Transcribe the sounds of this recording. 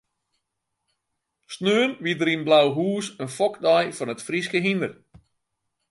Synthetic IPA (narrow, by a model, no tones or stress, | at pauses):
snøːənʋidəɾinblawɦuːsənfɔkdajfɔnətfriskəɦindər